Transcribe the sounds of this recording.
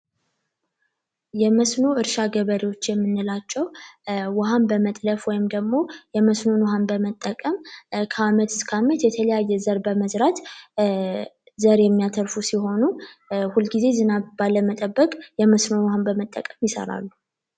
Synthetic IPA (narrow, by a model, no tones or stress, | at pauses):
jɛməsno̞ɨɾʃaɡəβəɾewo̞t͡ʃːjɛmːɨnːɨlat͡ʃːɛwwahanbəmət̪ʼləfwɔjɪmd̪əɡmo̞jɛməsno̞nwhanbəmət̪ʼːəkʼəmkʰəamət̪ɨskʰamət̪jɛt̪ʰələjajːɛzəɾbəməzɾat̪ | zəɾjɛmːijat̪ʰəɾfusiɦo̞nuhulɡize̞zɨnaβbaləmət̪ʼəbːəkʼjɛməsno̞nwhambəmət̪ʼːə̰kʼəmjɪsə̰ɾa̰lːu